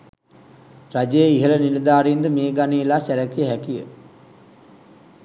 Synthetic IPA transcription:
rad͡ʒejəiɦələniləd̪aːɾind̪əmeːɡaniːlaːsæɾækijəɦækijə̰

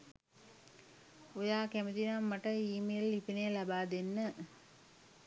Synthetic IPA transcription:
ojaːkæmət̪inamːaʈəiːmelːipinejlabaːd̪enːə

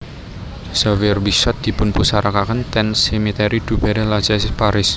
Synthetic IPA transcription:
səwɪrbisɔt̪̚d̪̥i̤pʊnpusaɾakakənt̪ɛnsɛmit̪ɛɾid̪̥ubɛɾɛlat͡ʃɛspaɾɪs

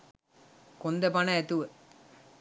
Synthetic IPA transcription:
kond̪ɐpɐnɐet̪uʋə

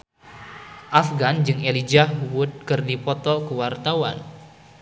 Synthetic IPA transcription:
ʔafɡand͡ʒɨŋelid͡ʒahuwʊt̪̚kɨrdipɔt̪ɔkəwart̪awa̰n

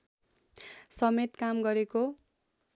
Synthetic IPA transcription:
sʌmet̪kamɡʌɾeko

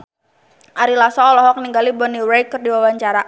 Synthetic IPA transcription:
ʔaɾilasɔlɔɦɔkniŋɡalibɔniwɾɛjkərdiwawaɲt͡ʃaɾa

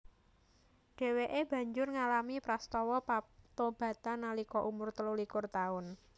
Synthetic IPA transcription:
ɖ̥e̤weʔeb̥ä̤ɲd͡ʒʊrŋalamipɾast̪ɔwɔpat̪ob̥a̤t̪analikɔʔumʊrt̪əlulikʊrt̪aʊn

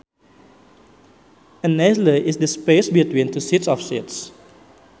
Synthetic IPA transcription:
ə̃nːɛzləʔɪsdəspesbitwĩntusitsɔfsits

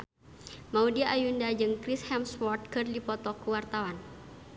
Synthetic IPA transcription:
maudiaʔːjundad͡ʒɨŋkɾishɛmswɔrt̪̚kɨrdipɔt̪ɔkuwart̪awan

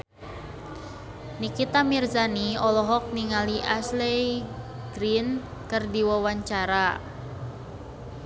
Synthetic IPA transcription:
nikit̪amirzaniɔlɔɦɔk̚niŋaliʔaslɛj | ɡɾin | kɨrdiwawaɲt͡ʃaɾa

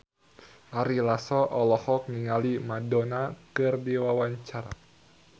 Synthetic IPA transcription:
ʔaɾilasɔʔɔlɔhɔk̚niŋalimadɔnakɨrdiwawaɲt͡ʃaɾa̰

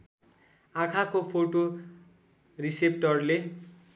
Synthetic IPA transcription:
ãkʰakopʰoʈo | risep̚ʈʌrle

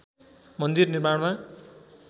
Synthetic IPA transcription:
mʌnd̪irnirmaɽma

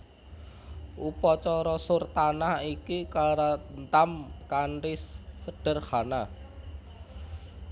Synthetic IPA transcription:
ʔupɔt͡ʃɔɾɔsʊrt̪anahikikaɾant̪amkanɾɪsːəɖ̥ə̤rhana

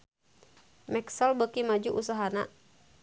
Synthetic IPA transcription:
mɛksɔlbəkimad͡ʒuʔusaɦana

